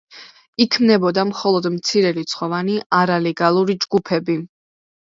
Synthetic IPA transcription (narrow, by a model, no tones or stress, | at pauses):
ikʰmnɛbɔd̪amχɔlˠɔd̪mt̪sʰiɾɛlit̪sχɔvaniʔaɾalɛɡalˠuɾid͡ʒɡupʰɛbi